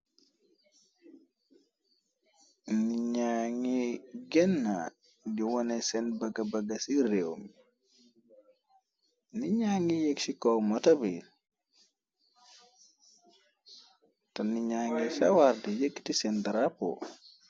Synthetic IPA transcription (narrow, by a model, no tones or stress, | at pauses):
niɲaŋiɡɛnːa̰ | jiwɔnɛsɛnbɐɡabaɡasiɾewmi | niɲaːŋijeksikɔwmɔtabi | tanːiɲaːŋisa̰waɾdijekːi̥tisɛndaɾapɔ̰